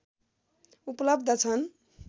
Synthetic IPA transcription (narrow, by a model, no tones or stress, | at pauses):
uplʌbd̪ʱʌt͡sʰʌn